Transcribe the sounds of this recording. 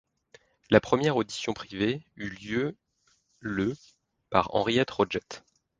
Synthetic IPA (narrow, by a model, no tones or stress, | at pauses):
lapχəmjɛʁod̪isjɔ̃pχiveyljø | lə | pa̰ʁɑ̰̃ʁijɛt̪ʁɔd͡ʒɛt̪